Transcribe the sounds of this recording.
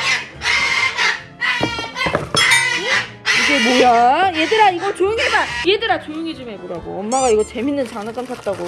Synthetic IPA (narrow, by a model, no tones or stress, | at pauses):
iɡe̞mojaje̞dɯɾaiɡʌt͡ɕojuŋibajedɯɾat͡ɕojuŋid͡ʑɯmeboɾaɡo̰ʌmmaɡaiɡʌt͡ɕe̞minːɯnt͡ɕaŋnat͡ɕ͈amsʰat̚t͈aɡo